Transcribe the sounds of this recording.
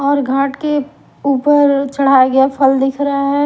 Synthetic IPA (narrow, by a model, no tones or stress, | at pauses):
ɔːɾɡʱaːʈke | uːpəɾt͡ʃɐɽ̤ajaɡɐjapʰəld̪ɪkʰɾɐaɦɛ